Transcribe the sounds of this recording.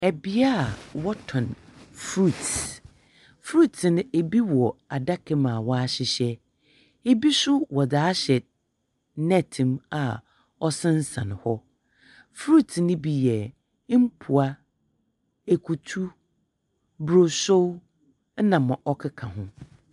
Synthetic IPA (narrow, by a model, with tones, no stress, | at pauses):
ɛ˨bi˦a˦˨wɔ˦tʰɔ̃˨nfɾu˦˨t | fɾu˦˨tʰnʊ̃˦e˨bi˦wɔ˨a˨da˦kʰɪ˦mã˨wɔ˦a˦ɕɪ˨ɕɛ˦ | e˦bi˦sʊ˦wɔ˨daː˨˦ɕɛ˨ | nɛ̃˦˨tʰĩ˨ma̰˨ | ɔ˦sɪ̃˦n̩˦sã̰˨ñ˨hɔ˦ | fɾu˦tʰnɪ̃˦bi˦jɛ˨˦ | m̩˦pʰu˨a˦ | e˨kʰu˨tʰu˦ | bɾo˨so˦w | nã˨mã˨ʔɔ˦kʰɪ˦kʰã˨ɦʊ̃˦